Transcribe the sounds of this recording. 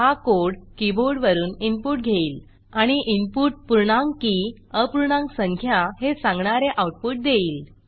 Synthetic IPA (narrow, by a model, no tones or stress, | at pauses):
ɦakoɾɽkiboɾɖʋəɾuːnimpuːʈ̚ɡʱeiːl | aɽ̃iʔimpuʈ̚puɾɳãŋɡkiəpuɾɳãŋksəŋkʰjaɦesãŋɡɳaɾeʔawʈ̚puʈ̚d̪eiːl